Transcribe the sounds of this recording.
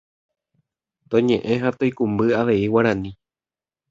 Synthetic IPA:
t̪õɲẽ̞ʔẽ̞ɦat̪ojkumbɨaʋe̞iwaɾ̃ãnĩ

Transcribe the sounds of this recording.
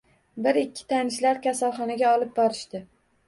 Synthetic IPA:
bɪɾɪkʲʰːɪ̥t̪ʰanɪʃlaɾkʲasalˠχɒnaɡʲaɒlɪp̚bɒɾɪʃt̪ɪ

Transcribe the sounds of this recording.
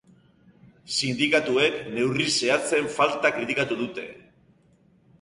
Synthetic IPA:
sind̪ikat̪ue̞kne̞wrise̞at͡se̞ɱfalt̪akɾit̪ikat̪uðut̪e̞̰

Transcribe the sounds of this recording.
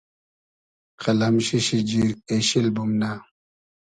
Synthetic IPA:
qʰɐlamɕiɕid͡ʑiɾeɕilbumna

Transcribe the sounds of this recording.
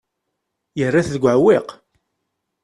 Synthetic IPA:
jərːaθðəɡʷʕwɪq

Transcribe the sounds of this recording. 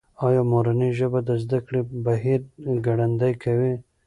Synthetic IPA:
ɑjɑmoɾaniʒəbad̪əzd̪akɽibaɦiɾɡaɽand̪ajkʰawi

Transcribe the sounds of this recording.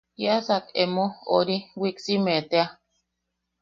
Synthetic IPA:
jasakemooɾiwiksimet̪ea

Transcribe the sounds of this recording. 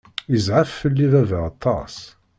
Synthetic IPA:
izʕəfːəlːiðævæɑt̪ˤʰːɑ̰s

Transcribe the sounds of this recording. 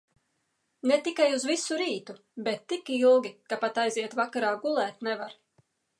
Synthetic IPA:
net̪ikajuzvisuɾiːt̪u | bɛt̪ːikilˠɡʲikapat̪ajziɛt̪vakaɾaːɡulˠæːt̪nɛvaɾ

